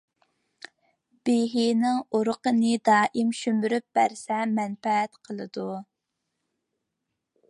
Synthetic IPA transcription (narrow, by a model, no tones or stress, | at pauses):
b̥eɦinɪŋoɾʊqənɨd̪ɑːʔimʃymyɾyp̚b̥æɾsɛmɛnfɛɛt̪qʰəlˠɨd̪u